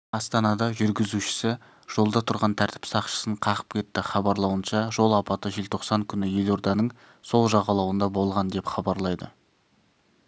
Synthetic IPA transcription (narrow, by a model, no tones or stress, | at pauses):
ɑst̪ɑnɑd̪ɑʒʏɾɡʲɪzuʃɪ̥sɪ | ʒ̥o̞lˠd̪ɑt̪ʰʊɾʁɑnt̪ʰæɾt̪ʰɪ̥psɑqʃə̥səɴqʰɑʁə̥p̚kʲʰe̞t̪ːɪχɑbɑɾlˠɑwənʃɑʒo̞lˠɑpɑt̪əʒe̞lt̪ʰo̞qsɑŋkʲʰʏnɪje̞lo̞ɾd̪ɑnəɴ | so̞lˠʒɑʁɑlˠɑwənd̪ɑbo̞lˠʁɑnd̪e̞pχɑbɑɾlˠɑjd̪ə̰